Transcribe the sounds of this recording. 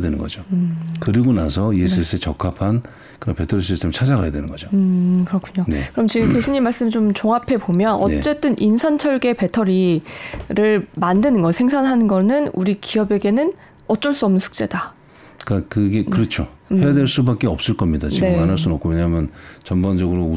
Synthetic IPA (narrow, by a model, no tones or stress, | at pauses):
dwenɯnɡʌd͡ʑokɯɾiɡonasʰʌies͈ʰɯes͈ɯet͡ɕʌkʰapʰan | kɯɾʌnpe̞tʰʌɾis̬͈ʰistʰe̞mɯɭt͡ɕʰad͡ʑaɡajadwe̞nɯnɡʌd͡ʑoɯkɯɾʌkʰuɲonḛkɯɾʌmt͡ɕiɡɯmkjosʰuɲːimːaɭs͈ɯmt͡ɕomt͡ɕoŋɦapʰe̞pomjʌnʌ̰nt͡ɕ͈e̞t͈ɯnʔinsʰant͡ɕʰʌɭɡe̞pe̞tʰʌɾi | ɾɯɭmandɯnɯnɡʌsʰeŋsʰanɦanɯnɡʌnɯnuɾikiʌbe̞ɡe̞nɯn | ʌt͡ɕ͈ʌɭs͈uʌmnɯnsʰu̥k̚t͡ɕ͈e̞da | kakɯɡe̞kɯɾʌt͡ɕʰo | he̞jadweɭs͈ubak͈e̞ʌp̚s͈ɯɭk͈ʌmɲidat͡ɕiɡeɯmanaɭs͈unʌp̚k͈ʰowe̞ɲamjʌnt͡ɕʌmband͡ʑʌɡɯɾo